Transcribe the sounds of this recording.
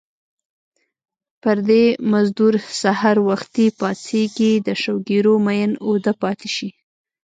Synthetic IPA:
pəɾd̪emazd̪uɾsahɑɾwaxt̪ipɑt͡seɡid̪əʃawɡeɾomajənod̪əpɑt̪eʃi

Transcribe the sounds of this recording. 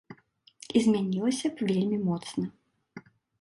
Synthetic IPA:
izʲmʲanʲilˠɐsʲɐvʲelʲmʲimɔt̪snɐ

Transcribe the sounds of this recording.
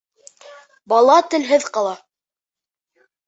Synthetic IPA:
bɑlˠɑt̪ɘ̆lɦɘðqɑlˠɑ

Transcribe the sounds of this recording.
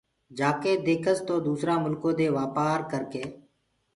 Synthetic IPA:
d͡ʒaːkeːd̪eːkʰəst̪oːd̪uːsɾaːmʊlkõːd̪eːʋaːpaːɾkəɾkeː

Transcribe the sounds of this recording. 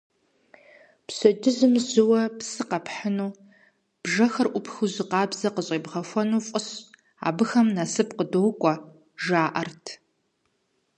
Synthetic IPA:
psɐdɨzɨmzɨwɐpsɨqɐpħənuː | b̥ʒɐxɐrʔʷʊpxuzɨqɑːbzɐqəɕʼeːbʁɐfʷɔnuːfʼʊɕ | a̰ːbɨxɐmnasɨp̚qədowkʷʼɔ | ʒaːʔɐrtʰ

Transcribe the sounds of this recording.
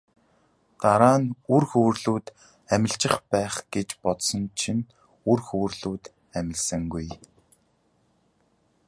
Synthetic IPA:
t̪aɾaːnurxɵwrɮuːt̪ | æmʲɪ̆ɬt͡ɕɪ̆χpæːχɡ̥et͡ɕpɔt̪sɞ̆nt͡ɕʰin | urxɵwrɮuːt̪ | æmʲɪ̆ɮsə̆ŋɡuj

